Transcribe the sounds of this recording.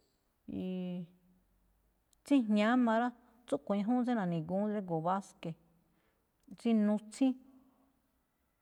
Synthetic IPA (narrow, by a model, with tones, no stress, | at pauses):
i˧ | t͡sĩ˦ɲɲã˨˦mã˧ɾa˦ | t͡su˦ʔkʷõ˨˧ĩ˧ɦũ˦t͡sẽ˦nã˨˧˨nĩ˨ɡũ˨˦dɾe˦ɡo˨βa˦ske˨ | t͡sĩ˦nũ˧t͡sĩ˦